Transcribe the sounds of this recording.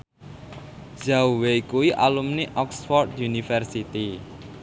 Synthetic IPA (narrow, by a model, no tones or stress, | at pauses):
ʒ̥auwekuwiʔa̰lumniʔɔksfɔrd̪junifɛrsit̪i